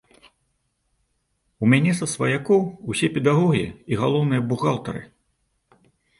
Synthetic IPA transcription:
umʲanʲɛsɐsvɐjakɔwusʲɛpʲɛd̪aɣɔɣʲijɐ̰iɣalˠɔwnɨjɐbuɣalˠt̪ɐ̰ɾɨ̰

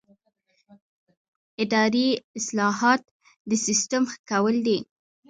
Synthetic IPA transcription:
ɪd̪ɑɾiɪslɑɦɑt̪ | d̪əsist̪əmxə̥kawəld̪i

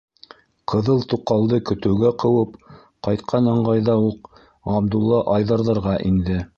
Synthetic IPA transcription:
qʰɤ̆ðɤlˠt̪uqɑlˠd̪ɤkɵ̆t̪ɘ̆wɡæqɤ̆wɤp | qɑjt̪̚qʰɑnɤ̆ɴʁɑjðɑuq | ɑbd̪ulˠːɑʔɑjðɑɾðɤ̆ɾʁɑʔind̪ɘ

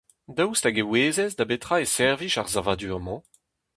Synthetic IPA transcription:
dawstaɡeweːzɛzdabetχaesɛʁviʃaʁzavad̪yɔmɑ̃

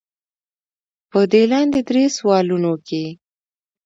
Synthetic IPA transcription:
pəd̪elɑnd̪ed̪ɾeswɑlunoke

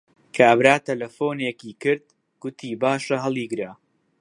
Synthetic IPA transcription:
kʰaːbɾaːt̪ɐlɐfoːnekiːkɨɾd̪̚ | ɡ̥ʊt̪ʰiːbaːʃɐɦɐlˠiːɡɨɾaː

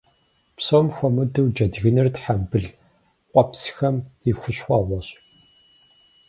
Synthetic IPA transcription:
psoːmxʷɔmɨdɨwd͡ʒɐdɣɨnɨrtħambɨɮ | qʷʼɔpsxɐmixʷʊɕxʷɑːʁʷɔɕ

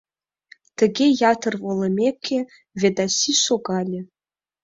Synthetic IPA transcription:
t̪ɘ̆ɡʲejɑt̪ʰərvolˠɤmʲekʲʰːe | vʲed̪asʲiʃoɡɑlʲe

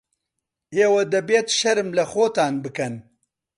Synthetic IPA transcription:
eːwɐd̪ɐbet̪ʃɐɾɨmlɐxoːt̪aːnbɨkɐn

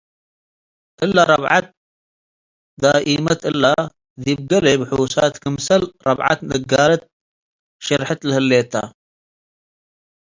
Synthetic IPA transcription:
ʔɪlːaɾˤɑbʕa̰t̪̚ | d̪aːʔiːmɐt̪ɪlːa | ðib̚ɡɐlebħuːsaːt̪kəmsɐlɾˤɑ̰bʕa̰t̪nəɡːaːlɐt̪̚ | ʃɐɾħat̪lhəlːeːt̪a̰

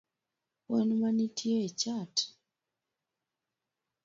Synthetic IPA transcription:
wɔnmanitʰjeet͡ʃat

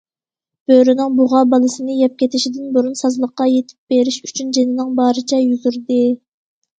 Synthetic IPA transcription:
b̥øɾynɪŋbuʁɑbɑlˠɨsɨnɨjɛp̚kʲet̪ʰɪʃid̪ɪnbuɾunsɑzlˠəqːɑjet̪ʰɪ̥p̚b̥eɾɪʃy̥t͡ʃʰynd͡ʒenɪnɪŋbɑːɾɪt͡ʃʰɛjyzyɾd̪ɨ

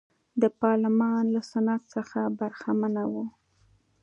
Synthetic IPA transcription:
d̪əpɑɾlɪmɑnlasanat̪səxabaɾxamanawu

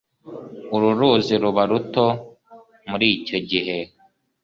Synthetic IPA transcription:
uɾuɾuːziɾuβaɾuto | muɾiːco̞ɟiɦe̞

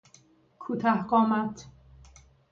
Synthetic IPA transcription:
kʰut̪ʰahɢɔːmat̪

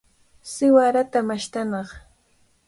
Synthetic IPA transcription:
sɪwaɾat̪amaʃt̪anɑχ

